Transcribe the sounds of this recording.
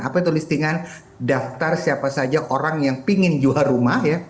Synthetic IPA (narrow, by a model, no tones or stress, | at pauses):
apait̪ulist̪iŋan | daft̪arsiapasad͡ʒaʔoɾaŋjaŋpiŋɪnd͡ʒuaɾumahja